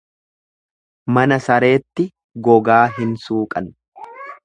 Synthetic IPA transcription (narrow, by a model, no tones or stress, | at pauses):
mɐnɐsɐɾe̞ːt̪ːɪ | ɡɔɡaːɦɪnsuːkʼɐn